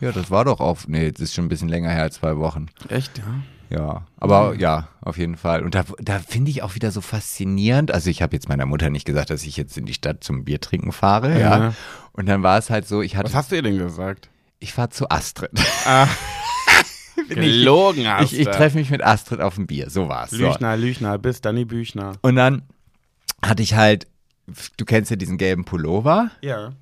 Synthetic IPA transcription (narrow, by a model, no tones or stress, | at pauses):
jaːdasv̥aːɐdɔχʔa̰ʊxnəjɛt͡sɪstʃoːn̩bɪsçənlɛŋɐheːɐalst͡sv̥aɪvɔχn̩ʔɛçtja | ja̰ːʔa̰ːbɐjaːʔa̰ʊfjeːdn̩falʔʊnt̚d̥aːd̥aːfɪndəɪçaʊxv̥iːdɐzoːfast͡siniːʁəntʔalzoɪçhaːbəjɛt͡smaɪnɐmʊtɐnɪçtɡ̥əzaːk̚t̚d̥asɪçjɛt͡stɪndiːʃtat̚t͡sʊmbiːɐtʁ̥ɪŋkŋ̩faːʁəjaːʔʊnt̚d̥anvaːɐɛshaltz̥oːɪçhatəashastduːɐdɛnɡəzaːk̚t | ʔɪçfaːɐt͡suʔa̰stʁ̥ɛtʔa | bɪnɪloːɡŋ̩aɪçɪttʁ̥ɛfəmɪç̬mɪtʔastʁ̥ɛtʔa̰ʊfm̩bḭːɐz̥oːva̰ːɐɛ̰slo̰ːnalyːçnabɪsd̥anibyːçnaʔʊntd̥an | hatəɪçhalt | d̥uːkʰɛnstjaːdiːzn̩ɡɛlbm̩pʰoloːvajaː